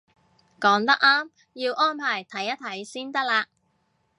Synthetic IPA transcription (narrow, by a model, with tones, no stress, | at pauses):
kɔː˨˥ŋt̪ɐ˥k̚ʔaː˥m | jiː˧wʔɔː˥npʰaː˨˩jt̪ʰɐ˨˥jːɐ˥t̪ʰɐ˨˥jsiː˥nt̪ɐ˥k̚laː˧